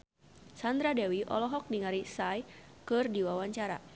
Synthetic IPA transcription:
sand̪ɾadɛwiʔɔ̰lɔɦɔk̚niŋaɾisajkɨrdiwawaɲt͡ʃaɾa̰

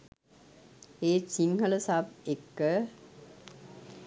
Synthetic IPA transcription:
eːsiŋhələsab̚ekːə

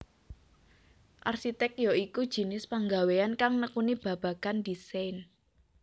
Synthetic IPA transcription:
ʔarʃit̪ɛk̚jɔikud̥ʒ̥i̤nɪspaŋɡaweankaŋnəkunib̥ä̤b̥a̤kand̪isajn

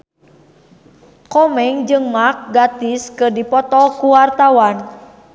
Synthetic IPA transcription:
kɔmɛŋd͡ʒɨŋmak̚ɡat̪iskədipɔt̪ɔlkuwart̪awan

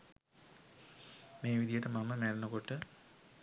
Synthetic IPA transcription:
meːʋid̪ijeʈːemɐmːɐmeːɾɐnɐkoʈːɨ

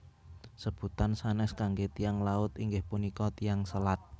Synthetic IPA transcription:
səb̥ut̪ansanɛskaŋɡet̪ijaŋlaʊt̪iŋɡɪhpunikɔt̪ijaŋsəlat̪̚

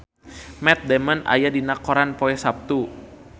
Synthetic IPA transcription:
mɛt̪̚dɛməna̰jadinakoɾanpoɛsap̚t̪u

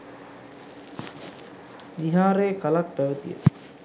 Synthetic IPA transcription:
ʋiɦaːɾeːkalak̚pæʋət̪ijə̰

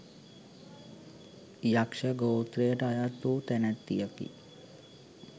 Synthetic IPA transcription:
jakʂəɡowt̪ɾejəʈəajat̪ːuːt̪ænæt̪ːijəkḭ

